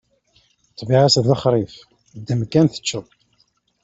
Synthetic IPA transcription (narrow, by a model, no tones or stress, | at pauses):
t̪ːbiʕasðəχɾˤif | d̪ːəmkːænθə̥t͡ʃːəð